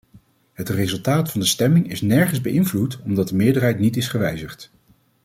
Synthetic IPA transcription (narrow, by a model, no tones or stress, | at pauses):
ɦətrezɵlˠtaːtfɑndəstɛmɪŋɪsnɛɹχənzbəʔɪnvlutɔmdɑt̚dəmɪːɹdəɹɦɛjtnitɪsχəʋɛjzəχt